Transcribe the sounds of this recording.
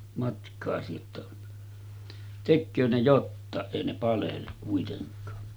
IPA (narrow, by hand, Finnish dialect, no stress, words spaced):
mɑtkɑːsi jotːɑ tekːøː ne jotːɑˑeʔ ʔeˑi ne pɑlelːuk kuiteŋkˑɑː